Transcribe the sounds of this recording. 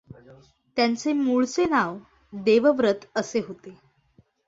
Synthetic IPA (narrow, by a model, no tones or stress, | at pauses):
t̪jant͡semuɭt͡senaʋ | d̪eʋəʋɾət̪əseɦot̪e